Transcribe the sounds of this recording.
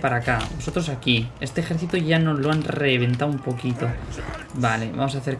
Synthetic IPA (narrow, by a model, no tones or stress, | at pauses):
paɾakabo̞so̞t̪ɾosakiest̪exe̞ɾθit̪uʝanozloanreβ̞ẽ̞nt̪awumpo̞kit̪o̞bale̞βa̰mos̬aθe̞ɾ